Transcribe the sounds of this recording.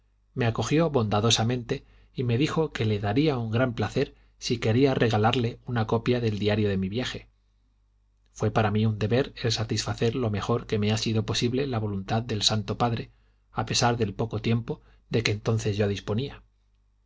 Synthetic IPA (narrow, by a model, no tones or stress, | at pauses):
me̞ako̞xjo̞βo̞nd̪aðo̞samẽ̞nt̪e̞ | ime̞ðixo̞ke̞le̞ðaɾiauŋɡɾamplaθe̞ɾ | sike̞ɾiarʔe̞ɣalaɾle̞unako̞pjaðe̞ld̪iaɾjo̞ðe̞miβjaxe̞ | fwe̞paɾamiund̪e̞βe̞ɾe̞lsat̪isfaθe̞ɾlo̞me̞xo̞ɾke̞me̞asiðo̞po̞siβle̞laβo̞lunt̪aððe̞lsant̪o̞paðɾe̞ | ape̞saɾðe̞lpo̞ko̞t̪je̞mpo | ðe̞keːnt̪o̞n̟θe̞zʝoðispo̞nia